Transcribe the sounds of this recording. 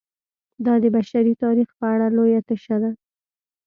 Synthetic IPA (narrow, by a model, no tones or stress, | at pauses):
d̪ɑd̪əbaʃaɾit̪ɑɾixpəaɽalojat̪aʃad̪a